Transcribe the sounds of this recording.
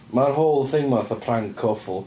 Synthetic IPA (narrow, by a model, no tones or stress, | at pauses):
marɦoːlˠθejmɔθəpʰraŋkʰɔfʊlˠ